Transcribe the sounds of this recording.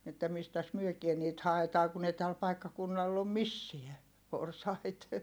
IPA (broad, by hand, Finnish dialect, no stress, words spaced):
etːæ mistæs myøkie niːt hɑetɑː kun ei tæl pɑikːɑkunːɑlː om misːiæ porsɑit